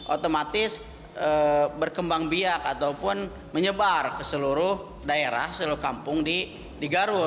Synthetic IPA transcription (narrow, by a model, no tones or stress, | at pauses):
ʔot̪omat̪ɪs | əbərkəmbaŋbiakat̪awpʊn | məɲəbarkəsəluɾʊh | daeɾa̰hsəluɾʊhkampʊŋdi | diɡaɾʊ